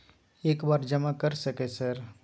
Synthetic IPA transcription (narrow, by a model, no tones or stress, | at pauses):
eːkbaːɾd͡ʒɐmakɐɾsɐkesɐɾ